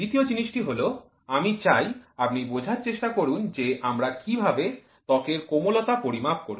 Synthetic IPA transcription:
d̪it̪iod͡ʑiniʃʈiɦolo | amit͡ɕajapnibod͡ʑʱaɾt͡ɕeʃʈakoɾund͡ʑeʔamɾakibʱabe | t̪ɔkeɾkomolot̪apoɾimap̚koɾu

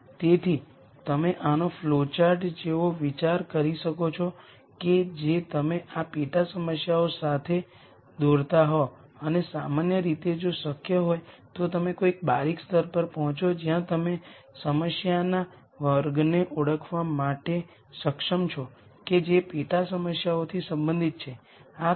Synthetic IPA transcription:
t̪et̪ʰi | t̪əmeʔanoflot͡ʃaɾʈd͡ʒeʋoʋit͡ʃaɾkəɾiʃəkot͡ʃʰo | ked͡ʒet̪əmeapeʈasəməsjaosat̪ʰe | d̪oɾt̪aɦo | ənesamanjəɾit̪ed͡ʒosəkʰjəɦojt̪ot̪əmekoik̚baɾikst̪əɾpəɾpəɦɔ̃t͡ʃʰod͡ʒijãt̪əmesəməsjana | ʋəɾɡneʔuɽəkʰʋamaʈe | səkʃəmt͡ʃʰo | ked͡ʒepeʈasəməsjaot̪ʰisə̃mbə̃nd̪ʱit̪̚t͡ʃʰe | a

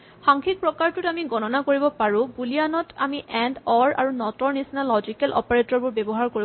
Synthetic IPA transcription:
xaŋkʰik̚pɹɔkaɹtʊtamiɡɔnɔnakoɹibɔpaɹũbulijanɔta̰miʔɛndɔɹa̰ɹunɔtɔɹnisnalɔd͡ʒikɛlʔɔ̰paɹetɔɹbʊɹbɛbɔɦaɹkoɹi

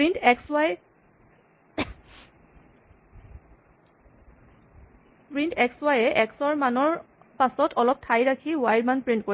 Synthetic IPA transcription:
pɹintɛkswaj | pɹintɛkswajɛʔɛksɔɹmanɔɹ | pasɔtʰɔlɔp̚tʰajɹakʰiwajdmanpɹintkoɹ

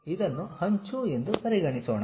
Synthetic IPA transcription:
id̪ɐnːuhɐɲt͡ʃue̞nd̪upɐɾiɡɐɳisoːɳɐ

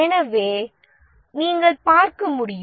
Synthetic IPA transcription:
ɛnɐʋeː | niːŋɡɐɭpaːɾkɐmʊɽɪj

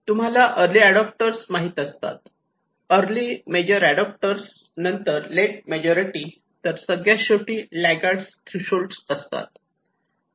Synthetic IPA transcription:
t̪um̤alaʔəɾliːæɽɔp̚ʈəɾsmaɦiːt̪əst̪a̰t̪̚ | əɾlimed͡ʑəɾæɽɔp̚ʈəɾs | nənt̪əɾleʈ̚med͡ʑɔɾiʈi | t̪əɾsəɡɭjaɕoʈiːlæɡaʈst̪ʰɾiɕolɖsəst̪a̰t̪̚

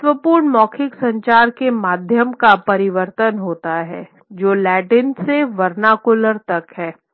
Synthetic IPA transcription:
t̪ʋəpuːɾɳmɔːkʰɪksɐ̃ɲt͡ʃaːɾkemaːd̪ʱjəmkapɐɾɪʋəɾt̪ənɦoːt̪aɦɛ̰ː | d͡ʒoːlɛːʈɪnseʋɐɾnakʊləɾt̪ɐkɦɛː

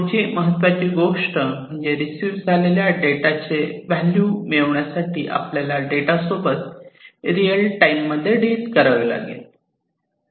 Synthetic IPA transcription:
ət͡ɕiːməɦət̪ːʋat͡ɕiːɡoʂʈəm̤əɳd͡ʑeɾisiːʋd͡zʱaleljaɖeʈat͡seʋɛljuːmeʋɳjasaʈiːʔa̰pljalaɖeʈasobət̪̚ɾijəlʈajimːəd̪ʱːjeɖiːtkəɾəɡla̰ɡḛ

